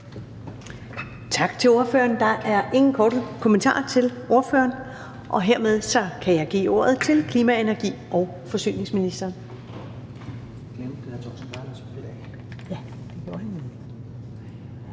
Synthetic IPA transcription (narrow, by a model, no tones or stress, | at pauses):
t͡sʰɑ̈ɡ̥t͡sʰe̝loɐføɐnd̥ɑ̈ʔæɐʔe̝ŋn̩kʰɒːɾəkʰoment͡sʰɑ̰̈ːt͡sʰe̝lʔo̝ɐfø̰ɐn | ʔɒ̽ɦe̝ɐ̰með̞ˠsɒ̽kʰæjɑ̈ɪɡ̥ḭːo̝ːɐ̰ð̞ˠt͡sʰe̝lkʰliːmæe̝næɐɡ̥ḭːʔɒ̽ʊ | fɒ̽sy̰ːne̝ŋsminisd̥ɐːn | ɡ̥emet͡sʰɔ̰sb̥ɑ̥sed̥ɛ | jæ | d̥e̝ɡ̥jo̝ɐhænːemli̥